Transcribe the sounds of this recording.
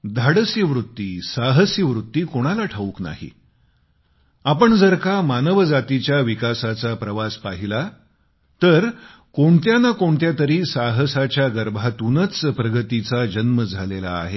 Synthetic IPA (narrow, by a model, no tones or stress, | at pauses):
d̪ʱaɽəsjəʋɾut̪ːiːsaɦəsjəʋɾut̪ːiːkoɽ̃alaʈʰaukna̰ɦḭ | apəɳd͡zəɾkamanəʋəd͡zat̪it͡ɕjaʋikasat͡sapɾəʋaspaɦila | t̪əɾ | koɳt̪janakoɳt̪jat̪əɾiːsaɦəsat͡ɕjaɡəɾbʱat̪unət͡spɾəɡət̪it͡sad͡ʑənməd͡zʱalela̰ːɦe